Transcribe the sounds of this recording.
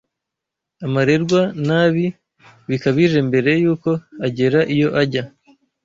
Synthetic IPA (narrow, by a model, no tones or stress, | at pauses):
amaɾe̞ɾɡwanaːβi | βikaβiʒe̞mbe̞ɾe̞juːko̞aɟe̞ɾaʔijo̞ʔaɟa